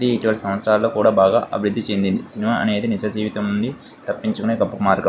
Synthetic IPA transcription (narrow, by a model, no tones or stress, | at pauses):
d̪iiʈiʋɐlsɐmʋɐt̪sɾaːlːoːkuːɽaːbaːɡa̰ːʔɐ̰bʱiɾud̪ːit͡ʃe̞nd̪ind̪isinimaːʔɐ̰ne̞ːðinisɐd͡ʒiːʋit̪ɐmnuɳɖi | t̪ɐpːiɲt͡ʃukɐneːkɐpːukmaːɾɡɐ